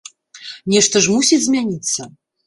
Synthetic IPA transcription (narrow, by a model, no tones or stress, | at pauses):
nʲɛʂt̪ɐʐmusʲit͡sʲzʲmʲanʲit̪sːɐ